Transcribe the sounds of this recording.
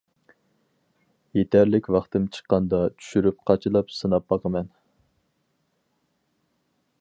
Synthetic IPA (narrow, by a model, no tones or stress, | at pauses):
jet̪ʰæɾlɪkʲwɑχt̪ɨmt͡ʃʰə̥qːɑnd̪ɑt͡ʃʰy̥ʃyɾyp̚qʰɑt͡ʃʰɨlˠɑpsɨnɑp̚bɑqʰəmɛn